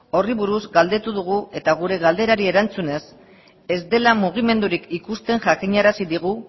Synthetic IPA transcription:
o̞riβuɾuzɡald̪e̞t̪uðuɣue̞t̪aɣ̞uɾe̞ɣald̪e̞ɾaɾie̞ɾant͡sune̞s | e̞zd̪e̞lamuɣ̞ime̞nd̪uɾikikust̪e̞ŋʝakiɲaɾasiðiɣ̞u

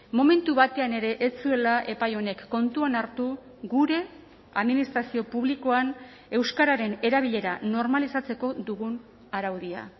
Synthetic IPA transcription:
mo̞me̞nt̪uβat̪e̞ane̞ɾe̞ʔet͡sue̞laʔe̞pajo̞ne̞kːo̞nt̪uanaɾt̪u | ɡuɾe̞ | aðminist̪ɾasio̞puβliko̞an | e̞wskaɾaɾe̞ne̞ɾaβiʎe̞ɾano̞ɾmalisat͡se̞ko̞d̪uɣun | aɾawðia̰

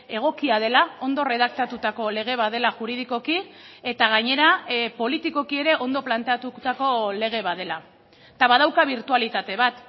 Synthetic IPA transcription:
e̞ɣ̞o̞kiað̞e̞lao̞nd̪o̞re̞ð̞ak̚t̪at̪ut̪ako̞le̞ɣ̞e̞βaðe̞laʝuɾið̞iko̞kie̞t̪aɣaɲe̞ɾapo̞lit̪iko̞kie̞ɾe̞ʔo̞nd̪o̞plant̪e̞at̪ut̪ako̞le̞ɣ̞e̞βaðela | t̪aβaðawkaβ̞iɾt̪ualit̪at̪e̞βat̪

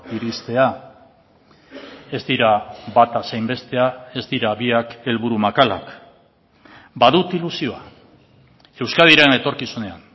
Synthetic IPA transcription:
iɾist̪e̞a | e̞zd̪iɾaβat̪asejmbe̞st̪e̞ae̞zd̪iɾaβiake̞lβuɾumakala̰k | baðut̪ilusio̞a | e̞wskaðiɾe̞ne̞t̪o̞ɾkisune̞an

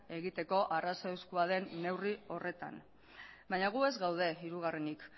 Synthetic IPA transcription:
e̞ɣit̪e̞ko̞ʔarasoewskuaðe̞nːe̞wrio̞re̞t̪a̰n | baɲaɣ̞ue̞zɡawð̞e̞iɾuɣ̞arenik

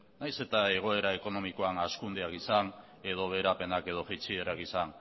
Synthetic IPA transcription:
najse̞t̪ae̞ɣ̞o̞e̞ɾae̞ko̞no̞mikoanaskund̪eakisan | e̞ðo̞βe̞ɾape̞nake̞ð̞o̞ʝit͡ʃieɾakisan

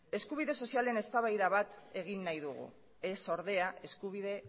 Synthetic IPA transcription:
e̞skuβ̞iðe̞so̞siale̞ne̞st̪aβajɾaβ̞at̪e̞ɣ̞inːajðuɣ̞ṵ | eso̞ɾðe̞ae̞skuβ̞iðe̞

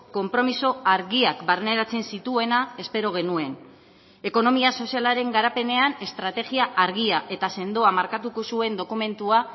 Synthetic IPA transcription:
ko̞mpɾo̞miso̞aɾɣiakbaɾne̞ɾat͡se̞nsit̪ue̞nae̞spe̞ɾo̞ɣ̞e̞nue̞n | e̞ko̞no̞miaso̞sialaɾe̞ŋɡaɾape̞ne̞ane̞st̪ɾat̪e̞ɣiaaɾɣiaʔe̞t̪ase̞nd̪o̞amaɾkat̪ukosue̞nd̪o̞kume̞nt̪ua

